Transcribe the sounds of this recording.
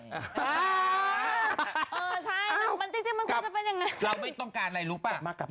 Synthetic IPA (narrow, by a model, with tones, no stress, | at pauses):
ʔəː˨˩t͡ɕʰa˥˩jma˧˩nt̪i˧˥˩t̪ʰːm˧nkʰːt͡ɕa˧˩pe˧˩nja˨˧˩ŋa˧˦jla˧wma˧˩jt̪ɔ˧ŋkaː˨˩nla˧˩jlu˨˦˥paː˨˩maː˧˩kːa˨˩